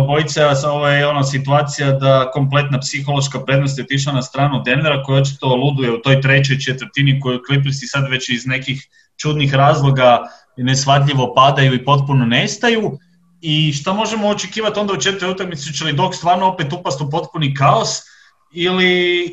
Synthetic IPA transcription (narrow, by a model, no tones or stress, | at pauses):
bo̞jit̪sasoʋojeo̞nosit̪uaːt̪sijad̪ako̞mple̞t̪napsixo̞lˠo̞ʃkapɾe̞d̪nost̪jeot̪iʃ̬lˠanast̪ɾaːnud̪e̞neɾako̞jaot͡ʃi̥t̪olˠud̪ujeut̪o̞jt̪ɾe̞t͡ɕo̞jt͡ʃet̪ʋər̩ɾt̪iniko̞juklip̬lst̪isad̪ʋe̞t͡ɕizne̞kix | t͡ʃud̪nixɾaːzlˠo̞ɡa | ne̞sfʋat̪ʎʲiʋo̞pad̪ajuipo̞t̪̚punone̞st̪aju | iʃt̪amo̞ʒemoːt͡ʃekiːʋat̪o̞nd̪aut͡ʃe̞t̪oeut̪akmit̪sut͡ʃelid̪o̞kst̪ʋaːɾnoo̞pet̪upast̪upo̞t̪punikaos | ili